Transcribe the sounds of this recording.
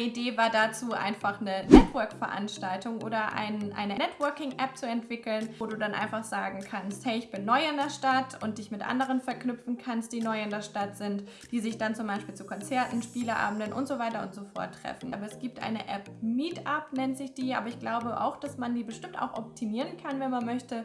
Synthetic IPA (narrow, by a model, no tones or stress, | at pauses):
ideːvaːɐdat͡suːʔa̰ɪnfaχnənɛtvœɐkfɛɐʔa̰nʃtaltʊŋʔo̰ːɾɐʔa̰ɪnʔa̰ɪnənɛtv̥œɐkɪŋʔɛp̚t͡suɛntv̥ɪkl̩noːduːdanʔa̰ɪnfaχz̥aːɡŋ̩kʰansthɛɪɪçb̥ɪnːɔʏɪndeːɐʃtatʊnt̚d̥ɪçmɪtʔa̰ndəʁ̞ənfɛɐknʏpfn̩kʰanst̚d̥iːnɔʏɪndeːɐʃtatz̥ɪnt | d̥iːzɪçd̥ant͡sʊmbaɪʃpiːlt͡suːkʰɔnt͡sɛɐtn̩ʃpiːləʔa̰ːbm̩dənʔʊ̰ntz̥ovaɪtɐʔʊntz̥ofɔ̰ɐtʰːʁ̥ɛ̰fn̩ʔaːbɐɛsɡ̥iːp̚tʔa̰ɪnəʔɛpmiːtapnɛntz̥ɪçd̥iːʔa̰ːbɐɪçɡ̥laʊbəʔa̰ʊxd̥asmandiːbəʃtɪmta̰ʊxʔɔp̚tʰimiːʁənkʰanvɛnmanmœçtə